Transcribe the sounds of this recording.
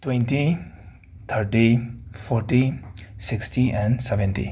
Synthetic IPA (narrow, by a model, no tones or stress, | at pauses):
twẽnʈi | t̪ʰəɾʈipʰɔɾʈisiksʈʰiɛ̃nsɛbẽnʈḭ